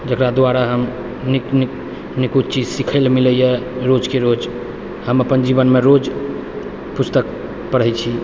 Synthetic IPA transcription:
d͡ʒəkɾad̪aɾaɦəm | nikni | nikut̪t͡ʃid͡ʒsikʰəɪlmiləjeɾod͡ʒkeɾod͡ʒ | həməpənd͡ʒibənmeɾod͡ʒ | pust̪ək̚ | pəɾəjt͡ʃʰi

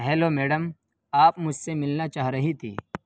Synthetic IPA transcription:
ɦɛːlomeːɖəm | aːpmʊd͡ʒʱsemɪlnat͡ʃaːɦɾɐɦit̪ʰḭː

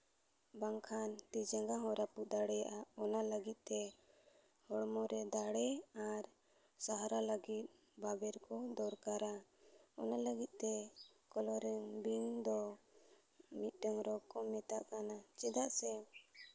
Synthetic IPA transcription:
baŋkʰant̪id͡ʒɛŋɡaɦɔɾapud̪aɽɛjaʔaɔnaləɡit̪̚ˀt̪ɛ | hɔɽmɔɾɛd̪aɽɛaɾ | saɦaɾaləɡit̪̚ | babɛɾkɔd̪ɔɾkaɾaɔnaləɡit̪̚t̪ɛ | kɔlɔɾɛŋbind̪ɔ | mit̪̚ˀʈɔŋɾɔkɔmɛt̪aʔkanat͡ʃɛd̪aʔsɛ

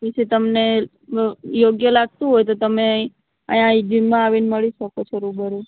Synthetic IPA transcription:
kit͡ʃʰet̪əmne | joɡjəlaɡ̚t̪ũɦojt̪̬ot̪əme | ə̰̃jãid͡ʒinmãaʋinməɭiʃəkot͡ʃʰeɾubəɾu

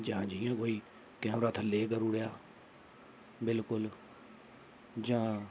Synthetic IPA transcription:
d͡ʒãːd͡ʒijãːɡoːiː | kɛ̃ɾət̪ʰleːkəɾuɽejaː | bɪlkʊl | d͡ʒãː

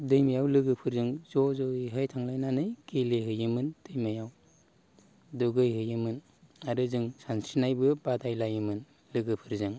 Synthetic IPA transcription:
dɯjmajawlɯɡɯpʰɯɾzɯŋzɔzɔiɦɯjtʰaŋlajnanɯjɡeleɦɯjɯmɯnd̥ɯjmajaw | duɡɯjɦɯjɯmɯn | aɾɯzɯŋsansinajbɯbadajlajɯmɯn | lɯɡɯpʰɯɾzɯŋ

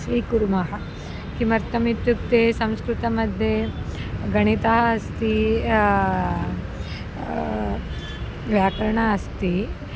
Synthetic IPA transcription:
ʃʋiːkuɾumɐɦɐ | kimɐɾt̪ɐmit̪juk̚t̪eːsɐ̃mskɾut̪ɐmɐd̪ʱje | ɡɐɳit̪ɐɦɐɐst̪i | ʋjaːkɐɾɐɳaɐst̪i

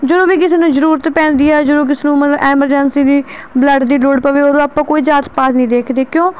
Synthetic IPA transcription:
d͡ʒəd̪õːʋiːkɪseːnũːzəɾuːɾət̪pɛ̃ːnd̪iːɛːd͡ʒəd̪oːk̬ɪsenũːmət̪ləbɛːməɾd͡ʒənsiːd̪iːbləɖd̪iːloːɖpəʋeːoːɾõːaːpãːkoːiːzaːt̪paːt̪nəĩːd̪eːkʰd̪eːkjõː

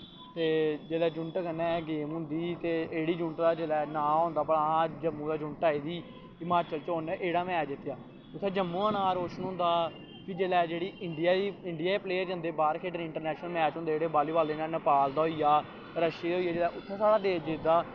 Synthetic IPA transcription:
t̪eːd͡ʒeːlɛːd͡ʒʊɳʈkənɛ̃ːɡeːmɦʊ̃nd̪iːt̪eːeːɽiːd͡ʒʊɳʈd̪aːd͡ʒeːlɛːnãːɦõːnd̪aːpəɽãːd͡ʒəmːũːd̪aːd͡ʒʊɳʈaːiːd̪iː | ɪmaːɾt͡ʃəlt͡ʃoːnʔeːɽaːmɛ̃ːd̪ɪt̪ːjaː | ʊt̪ʰːɛːd͡ʒəmːũːaːnãːɾoːʃənɦʊ̃ːnd̪aː | kid͡ʒeːlɛːd͡ʒeːɽiːɪɳɖɪjaːd̪iːɪɳɖɪjaːpleːəɾd͡ʒə̃nd̪eːbaːɾkʰeːʈənɪ̃ɳʈəɾnɛːʃnəlmɛːt͡ʃɦõːnd̪eːd͡ʒeːɽeːbaːliːbaːld̪eːnaːnəpaːld̪aːɦoiːjaː | ɾəʃiːd̪ɦoːijaːd͡ʒeːlɛːʔʊt̪ʰːeːsaːɽaːd̪eːd͡ʒed̪aː

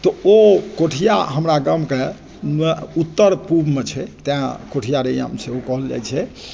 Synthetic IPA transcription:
t̪ɔokoʈʰija̰ɦəmɾaɡəmke | nut̪ːəɾpubmet͡ʃʰɛt̪eãkoʈʰijaɾeja̰mseɦokɔɦəld͡ʒɛ̰jt͡ʃʰɛ

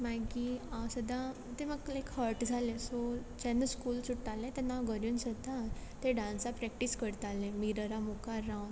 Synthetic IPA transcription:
maɡiasəd̪ʱã | t̪eməɡlekhəɾʈd͡zʱalẽsɔt͡ɕɛ̃nəskuːlsuʈːalẽt̪ɛnːaɡəɾjuːnsəd̪at̪eɖãnsapɾɛk̚ʈiskəɾt̪alẽmiɾəɾamukaɾãwn

